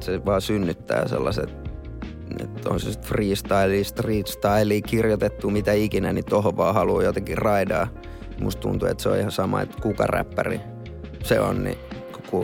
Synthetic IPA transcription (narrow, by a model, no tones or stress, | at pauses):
seʋɑːsynːyt̪ːæ̰ːsḛlːɑset̪ | ḛt̪ːõ̰nsest̪friːst̪ɑiliːst̪riːt̪st̪ɑiliːkirjot̪et̪ːumit̪æikinænit̪ohoʋʋɑːhɑluːjot̪eŋkirɑidɑː | must̪t̪ṵnt̪uḛt̪seo̰ihɑsɑmɑ̰ḛt̪kukɑ̰ræ̰pːærḭ | seo̰nnḭ | ku